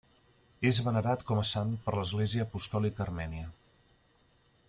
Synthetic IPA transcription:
ezβənəɾat̪kɔməsanpəɾləzɣleziəːpust̪ɔlikəːrmɛniə

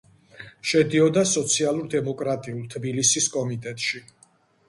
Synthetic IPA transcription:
ʃɛd̪iɔd̪asɔt̪sʰialˠuɾd̪ɛmɔkʼɾat̪ʼiulˠt̪ʰbilisiskʼɔmit̪ʼɛt̪ʼʃi

